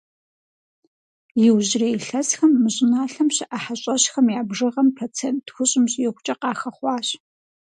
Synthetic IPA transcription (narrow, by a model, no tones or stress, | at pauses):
jɪwʑreːjɬɐsxɐmːɨɕʼɪnaːɬɐmɕɪʔaħaɕʼɐɕxɐmjaːbʐɨʁɐmpʰɐt͡sʰeːntʰxʷʊɕʼɪmɕʼjɪχʷʊt͡ʃʼɐqɑːxɐχʷɑːɕ